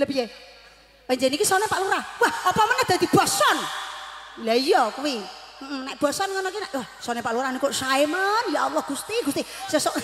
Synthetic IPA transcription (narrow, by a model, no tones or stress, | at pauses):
ləpije | wɛɲd͡ʒenikisɔnepaʔluɾawahopɔmənːɛhd̪̥a̤d̪̥i̤b̥asɔn | laijɔkuwim̩m̩nɛʔb̥asɔnŋanɔkinɛʔwahsɔnepaʔluɾanikoʔsaimanjaalɔhɡ̥ust̪iɡ̥ust̪isɛsɔʔ